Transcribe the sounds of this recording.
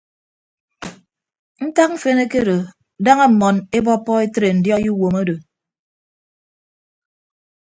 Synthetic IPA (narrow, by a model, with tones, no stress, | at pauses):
n̩˦ta˦k̚m̩˦fe˦ne˦ke˦ɾo˨ | da˦ŋe˦m̩˨mɔ˨ne˦bɔ˦pːɔ˦e˦tɾe˨n̩˨djɔ˦ju˦wo˨mo˦do˨